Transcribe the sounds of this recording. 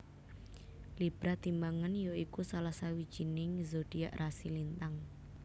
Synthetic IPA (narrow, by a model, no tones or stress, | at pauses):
lib̥ɾaht̪imbaŋanjoikusalahsawid̥ʒ̥inɪŋzoɖ̥ija̰ʔrʔasilint̪aŋ